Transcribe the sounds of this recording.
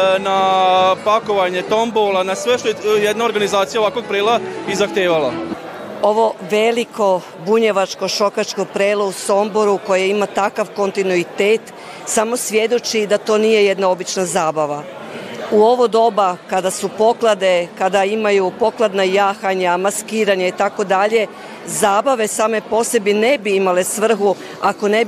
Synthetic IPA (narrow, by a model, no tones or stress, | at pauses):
napako̞ʋaɲet̪o̞mbolˠanasʋeʃt̪ojejed̪nao̞ɾɡanizaːt̪sijaoʋakʋoɡ̚pɾeːlˠaizaxt̪eːʋala | o̞ʋo̞ʋelikʰo̞ | buɲe̞ʋat͡ʃko̞ʃo̞kat͡ʃko̞pɾeːlˠouso̞mbo̞ɾuko̞jeimat̪akaʋko̞nt̪inuit̪eːt̪ | samo̞sʋje̞d̪ot͡ʃid̪at̪o̞ːnije̞jed̪nao̞bit͡ʃnazaːbaʋa | uo̞ʋod̪o̞bakad̪asupo̞klˠad̪e̞kad̪aimajupo̞klˠad̪najaːxaɲamaskiːɾaɲait̪ako̞d̪aʎe̞ | zaːbaʋe̞saːme̞po̞se̞bine̞biimale̞sʋr̩xu | ako̞ne̞b